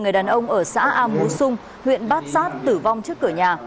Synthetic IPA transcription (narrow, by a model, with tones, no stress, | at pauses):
ŋɨ˨˩əjɗaː˨˩nʔə˧wŋ͡mʔəː˧˩sa̰ː˧˥ʔaː˧mu˨˦sʊ˧ŋ͡m | hwḭ˧˨ənɓaː˦˥t̚saː˦˥t̚t̪ɨ˧˩va˧wŋ͡mt͡ɕɨ˦˥əkːɨ˧˩əɲaː˨˩